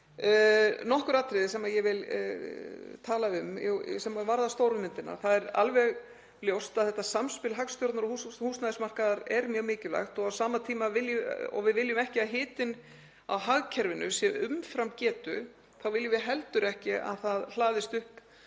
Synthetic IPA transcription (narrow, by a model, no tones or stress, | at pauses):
nɔhkʏɾaːt̪ɾɪðɪsɛmajɛɣvɪl | t̪ʰaːlaʏmsɛmavaɾðast̪owɾʏmɪnt̪ɪna̰ɾ̥θaðɛɾa̰lvɛɣ | ljowst̪aðθɛht̪ːasamspɪlɦakst̪jowɾt̪naɾɔhushuːsnaðɪsmar̥kaðaɾɛɾmjœːɣmɪːcɪla̰xt̪ɔɣawsaːmat̪ʰiːmavɪljʏɔ̰ɣvɪðvɪljʏmɛhcɪaðɦɪːt̪ɪn | a̰wɦaɣcʰɛɾvɪnʏ̰sjɛʏmfɾamcɛːt̪ʏ | θawvɪljʏvɪðɦɛlt̪ʏɾɛhcɪa̰ðθaðl̥aːðɪst̪ʏhp